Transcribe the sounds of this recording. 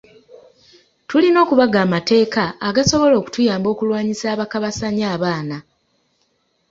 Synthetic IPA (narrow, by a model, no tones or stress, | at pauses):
tulino̞ːkuβaɡaːmate̞ːkaːɡaso̞βo̞lo̞ːku̥tujaːmbo̞ːkulwaːɲisaːβakaβasaɲaːβaːna